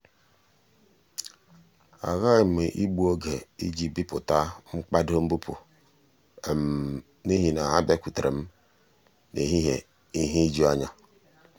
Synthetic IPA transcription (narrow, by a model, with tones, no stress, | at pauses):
a̰˨ɣa˦˨m̩˨me˨ʔi˦ɡ͡bu˦o˦ɡe˨i˦d͡ʒi˦bi˦pʊ˨ta˦ŋ͡m̩˦k͡pa˦do˦m̩˦bu˦pʰʊ̰˨ | m̩˨ | ni˦ɦi˦na˨ɦa˦be˦kʷu˨tɾe˨m̩˦ | ne˨ɦi˦ɦḛ˨ | i˦ɦi˦d͡ʒu˦a˦ɲa˦